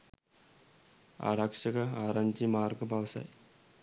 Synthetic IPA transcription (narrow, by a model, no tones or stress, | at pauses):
a̰ɾakʂəkəaɾaɲd͡ʑiːmaɾɡəbʱaʋsa̰j